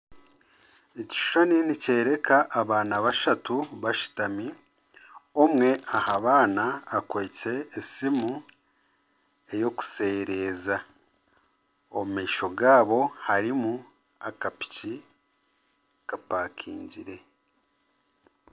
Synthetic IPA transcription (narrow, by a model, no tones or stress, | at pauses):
eci̥ʃʃoninice̞ːɾe̞kʰaʔːβaːnaβaʃatuβaʃi̥tami | omŋe̞ahaβaːnaːkwoit͡se̞ːsimu | e̞jo̞ku̥se̞ːɾe̞ːza | o̰mumiːʃo̞ɡaːβo̞haɾimu | akapi̥ci | kapaːkʰiːɲɟiɾe̞